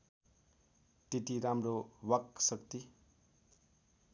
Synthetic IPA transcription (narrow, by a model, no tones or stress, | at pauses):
t̪et̪iɾamrowʌksʌkt̪i